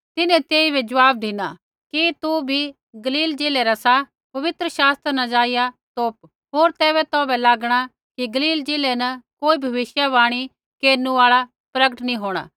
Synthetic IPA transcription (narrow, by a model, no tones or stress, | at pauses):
t̪ɪnɛ̃t̪eːibʱɛd͡ʒɐʋaːb̚d̪ʱɪna | kit̪ubʱi | ɡɐliːld͡ʒeːlɛɾasa | pɐʋɪt̪ɾəʃaːst̪ɾnɐd͡ʒaːɪjat̪oːp | ɦoːɾt̪ɛːbɛt̪ɔːbɛlaːɡɽ̃a | kiɡɐliːld͡ʒeːlɛnɐkoːibʱɐʋɪʃjaʋaːɽ̃i | keːɾnuaːɭa | pɾɐɡəʈnĩɦoːɽ̃a̰ː